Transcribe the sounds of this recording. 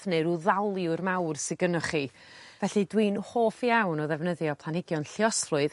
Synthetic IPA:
θneɾuðalˠiʊrmawrsɪɡənəχi | vɛɬidwinhoːfjawnɔðɛvnəðjɔpʰlˠanhɪɡjɔnɬjɔslʊɨð

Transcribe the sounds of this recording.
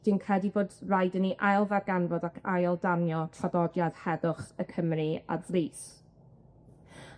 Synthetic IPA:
d̥inkʰrɛdivoːdrajdəniʔajlˠvɛɡanvɔdakʰajlˠdanjɔtʰabɔdjad̥hɛðʊχəkʰəmria̰dliːs

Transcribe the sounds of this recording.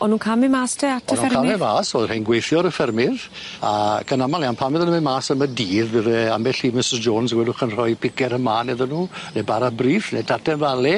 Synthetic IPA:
ɔnːuːkʰamɪmaːstʰɛatʰənukamɛmaːsoːðrejnɡwejθjɔɾəfɛrmɪð | akʰənamalˠianpʰamɪðənəmemaːsəmədiːðvəvɛamɛɬiːmɪsɪsd͡ʒoːnsəɡwɛdʊχənr̥ɔjpʰɪkʰɛɾəmaːneðənuːnebaɾabriːfnḛtʰatʰɛnvalɛ

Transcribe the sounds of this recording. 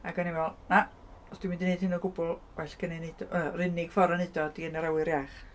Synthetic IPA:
aɡɔnimɛlˠna | ɔsd̥wɪmɪndinejd̥̚hɪnɔɡʊbʊlˠwɛɬɡ̥ənenedɔərɪnɪɡ̥fɔɾanɨdɔdiənɛɾawɨɾjaχ

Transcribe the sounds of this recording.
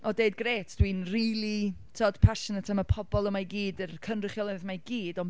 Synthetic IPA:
ɔdeɨd̚ɡreːtʰd̥winriːlˠitʰɔd̥pʰaʃənətʰamapʰɔbɔlˠəmaɡiːdərkʰənrɪχjɔlˠɛðmaɡiːdɔn

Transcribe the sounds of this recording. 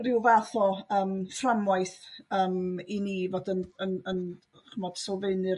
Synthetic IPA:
rɪwvaθɔəːmframwaɨθəːminiːvoːdənənən | χəmɔd̥sɔlˠveɨnɨ

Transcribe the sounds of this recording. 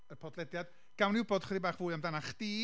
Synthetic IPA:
əpʰɔdlɛdjad̥ | ɡ̥awnɪwbɔd̥χədðibaːχvʊːɨamdanaχd̥iː

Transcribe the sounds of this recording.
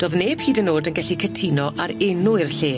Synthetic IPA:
d̥oːðneːb̥hiːdənoːdənɡɛɬikʰətʰinɔʔaɾɪnʊɪrɬeː

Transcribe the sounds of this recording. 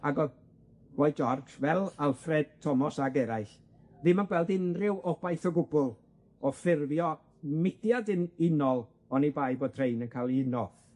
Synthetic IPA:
aɡɔ | wɔjd͡ʒɔrd͡ʒvɛlˠalˠfrɛd̥̚tʰɔmɔsaɡɛɾaɨɬ | viːmanɡwɛlˠdɪnrɪwɔbajθɔɡʊbʊlˠ | ɔfɪrvjɔ | mɪdjadɨnɪnɔlˠ | ɔnibajboːd̚tʰrejnənkʰalˠiɪnɔθ

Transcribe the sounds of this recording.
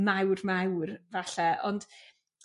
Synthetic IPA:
mawrmawrvaɬɛɔ̰nd̥

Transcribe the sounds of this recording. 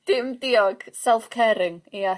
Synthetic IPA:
d̥ɪmdiːɔɡ̥sɛlˠfkʰɛɾɪŋia

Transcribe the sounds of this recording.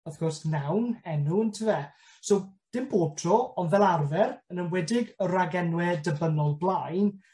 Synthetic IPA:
əfkɔrsɡ̥nawnɛnuəntʰəvɛ | sowd̥ɪmb̥oːb̥̚tʰrɔɔnvɛlˠarvɛrənənwɛdɪɡəraɡɛnwɛdəbənɔlˠblˠajn

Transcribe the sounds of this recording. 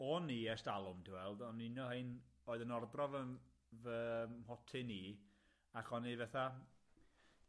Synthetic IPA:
ɔniɛstalˠʊmdʰuwɛlˠdɔninɔhejnoːɨðənɔrdrɔvə | vəmhɔtʰɪniː | aχɔnivɛθa

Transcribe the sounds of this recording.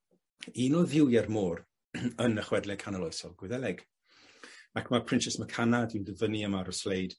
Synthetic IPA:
iːnɔðɪwjɛrmoːr | ənəχwɛdlɛkʰanəlɔjsɔlˠɡwɪðɛlɛɡ̥ | akʰmapʰrɪntt͡ʃɛsməkʰanadɪwdəvəniəmaɾɔslejd̥

